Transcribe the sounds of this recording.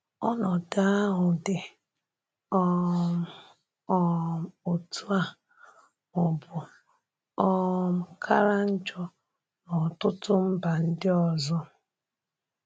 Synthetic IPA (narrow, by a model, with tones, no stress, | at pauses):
ɔ˦nɔ˨da˦a˦ɦʊ˨dɪ˨ | ɔ˦˨ | ɔ˦m˨o˨tu˦a˨ | ʊ˨bʊ˨ | ɔ˦m̩˨kʰa˦ɾa˦n̩˦d͡ʒɔ˦ | nɔ˨tʊ˦tʊ˦m̩˦ba˨n̩˦dɪ˦ɔ˨zɔ˦